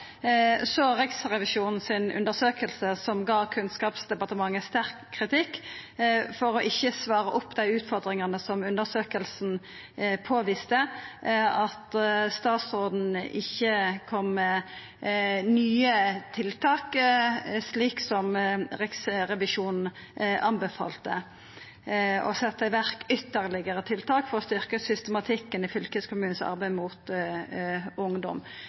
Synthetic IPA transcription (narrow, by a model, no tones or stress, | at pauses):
soːʁɪksʁɛʋɪʃuːnn̩sɪnʉ̰nd̪əʁsøːkəlsəsɔmɡɑːkʰʉnskɑːpsd̪ɛpɑʁt̪əmɑŋːəst̪æʁkʰːʁɪt̪ɪkː | fɔɾɔʔɪçːəsʋɑːɾəʔʊpːd̪æɪʉːt̪fɔʁd̪ɾɪŋɑnəsɔmʉnd̪əʁsøːkəlsn̩ | pʰoːʋɪst̪ə | ɑt̪st̪ɑːt̪soːd̪n̩ɪçːəkʰɔmːɛ | nyːət̪ʰɪlt̪ʰɑːk | sliːksɔmʁɪksʁɛʋɪʂuːnn̩ | ʔɑnbɛfɑ̰ːlt̪ə | ɔ̰sɛt̪ːəɪʋæɾkʏt̪ːəʁlɪɡəɾət̪ʰɪlt̪ʰɑːkfɔʁɔst̪ʏɾkəsʏst̪ɛmɑt̪ʰɪkːənɪfʏlkəskʰʊmʉːn̩sɑ̰ʁbæɪmuːt̪ | ʊŋd̪ɔ̰m